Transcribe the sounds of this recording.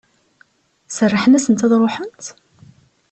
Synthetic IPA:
sərˤːəħənæsənt̪æðˤɾˤoħənt̪

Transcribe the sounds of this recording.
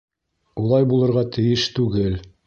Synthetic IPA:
ulˠɑjbulˠɤ̆ɾʁɑt̪ʰɘ̆jɘʃt̪ʉɡɘl

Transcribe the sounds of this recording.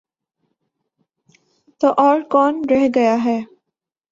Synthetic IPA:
t̪oːʔɔːɾkɔːnɾɛɦɡɐjaɦɛː

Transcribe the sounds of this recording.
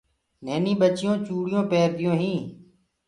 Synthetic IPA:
neːnĩːbət͡ʃɪjõːt͡ʃuːɽɪjõːpeːɾd̪ɪjõːɦĩː

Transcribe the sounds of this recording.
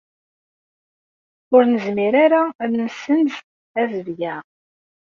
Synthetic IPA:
ʊɾnəzmiɾaɾaðnəsənz | æðəvjæ

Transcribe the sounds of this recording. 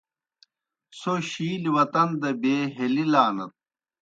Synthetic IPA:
soɕiːliwɐt̪ɐnd̪ɐbeːɦelilaːnɐt̪̚

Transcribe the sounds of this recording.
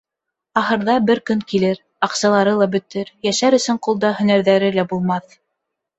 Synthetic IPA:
ɑɦɤ̆ɾðɑbɘɾkɵŋkilɘɾ | ɑqsɑlˠɑɾɤlˠɑbɵ̆t̪ɘɾjæʃæɾɵ̆sɵɴqulˠd̪ɑhɵ̆næɾðæɾɘlæbulˠmɑθ

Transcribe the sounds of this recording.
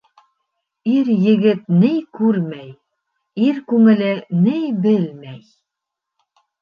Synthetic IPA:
iɾjɘ̆ɡɘt̪nɘjkʉɾmæj | iɾkʉŋɘ̆lɘnɘjbɘlmæj

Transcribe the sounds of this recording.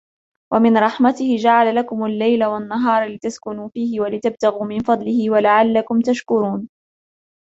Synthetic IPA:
wamɪnɾˤɑħmat̪ɪhɪd͡ʒaʕalalakʊmalːajlawanːaɦɑːɾˤlɪt̪askʊnuːfiːhɪwalɪt̪ab̚t̪aɣuːmɪnfɑd̪ˤlɪhɪwalaʕalːakʊmt̪aʃkʊɾuːn

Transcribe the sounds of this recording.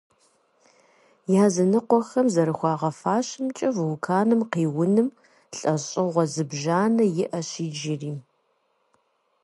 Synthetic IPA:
jaːzɐnɨqʷɔxɐmzɐɾɨxʷɑːʁɐfaːɕɪmt͡ʃʼɐvwkʰaːnɨmqiːwʊnɨm | ɬʼɐɕʼɪʁʷɔzɨbʒaːnɐjɪʔɐɕiːd͡ʒɪriː

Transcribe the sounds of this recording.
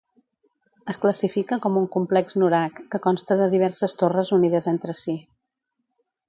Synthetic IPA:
əskləsifikəkɔmuŋkumplɛkznuɾakːəkɔnst̪əðəðiβ̞ɛɾsəst̪orəzuniðəzent̪ɾəsi

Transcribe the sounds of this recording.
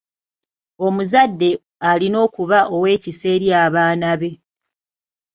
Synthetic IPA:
o̞muzadːe̞ | alino̞ːkuβaʔo̞we̞ːcise̞ːɾjaːβaːnaβe̞

